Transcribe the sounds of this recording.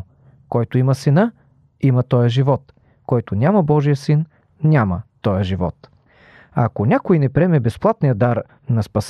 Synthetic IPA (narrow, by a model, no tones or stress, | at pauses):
kɔjt̪oimɐsɛnə | imɐt̪ɔjəʒivɔt̪ | kɔjt̪onʲamɐbɔʒijəsin | nʲamɐt̪ɔjəʒivɔ̰t̪ | ɐ̰konʲakoinɛpɾiɛmɛbɛsplˠat̪nijəd̪aɾ | nɐspɐs